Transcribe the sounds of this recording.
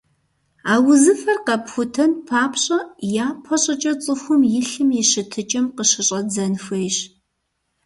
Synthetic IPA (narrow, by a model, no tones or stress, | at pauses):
aːwʊzɨfɐrqɐpxʷʊtʰɐnpʰaːpʰɕʼɐjaːpʰɐɕʼɐt͡ʃʼɐt͡sʼɨxʷʊmjɪɬɨmjɪɕɨtʰɨt͡ʃʼɐmqəɕɪɕʼɐd͡zɐnxʷejɕ